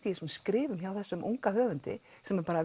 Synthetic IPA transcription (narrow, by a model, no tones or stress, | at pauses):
t̪iɛsmskɾɪːvʏmçawθɛsːʏmʔṵŋkahœːvʏnt̪ɪ̰ | sɛmɛɾpaːɾa